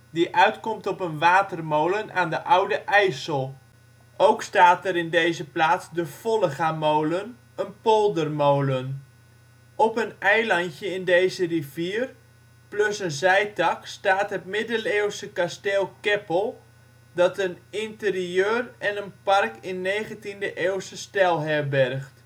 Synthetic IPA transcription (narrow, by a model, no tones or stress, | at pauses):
diʔœɥtkɔmtɔpənʋaːtərmowlənʔaːndəʔawdəʔɛjsəlˠ | ʔowkstaːtəɾɪndejzəplaːt͡sdəfolˠəɣamowlən | ənpolˠdərmowlən | ʔɔpənɛjlɑntjəɪndejzəriviər | plɵsənzɛjtɑkstaːtɦətmɪdəleːwsəkasteːlˠkɛpəlˠ | dɑtənɪntəriøːrɛnənpɑrkɪnːejχəntindəʔeːwsəstɛlˠɦɛbɛrχt